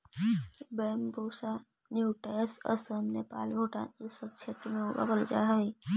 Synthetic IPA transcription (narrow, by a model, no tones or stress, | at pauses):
beːmboːsa | njuːʈeːsə̰səmnepa̰ːlbʱoːʈa̰ːnesəkʃʰet̪ɾəmẽbə̰ɡəld͡ʒa̰ɦe